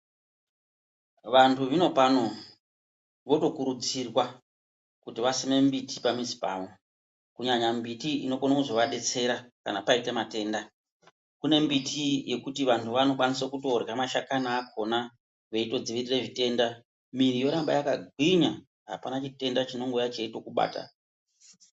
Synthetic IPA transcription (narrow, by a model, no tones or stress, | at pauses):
ʋantʰuʋino̞pano̞ | ʋo̞to̞kuɾud͡zirwa | kutiʋasime̞mbitʰi̥pamizi̥pa̰ːʋo | kuɲaɲambitiino̞konakuzo̞ʋaɗe̞t͡se̞ɾaka̰napaitamate̞ːnda | kune̞mbitʰije̞kutiʋantʰuʋano̞kwanis̬okuto̞rɣamaʃakanaːkʰo̞na | ʋe̞ito̞d͡ziʋirire̞ʐite̞nda | miɾijo̞ɾamba̰jakaɡʱwiɲa | ɦa̰panat͡ʃite̞ndat͡ʃino̞ŋɡojat͡ʃeito̞kuɓa̰ːta̰